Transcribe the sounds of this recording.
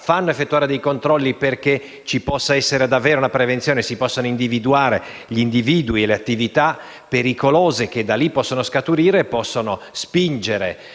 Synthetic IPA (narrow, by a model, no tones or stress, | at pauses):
fanːoefːet̪ːuaːɾed̪ejkont̪ɾɔlːiperke | t͡ʃipɔsːaɛsːeɾed̪avːeːɾounapɾevent̪sjoːnesipɔsːonoind̪ivid̪uaːɾe | ʎind̪iviːd̪uieleat̪ːivit̪a | peɾikoloːzek̟ed̪alipːɔsːonoskat̪uɾiːɾeːpːɔsːonospind͡ʒeɾe